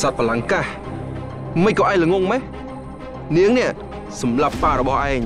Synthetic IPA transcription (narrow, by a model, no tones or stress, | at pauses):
sat̪̚pʰalaŋkah | məc̚kɑːʔaɛŋləŋoŋmɛ | niəŋnɛ̆əʔ | sɑmlapːaːɾɔɓɑhʔaɛŋ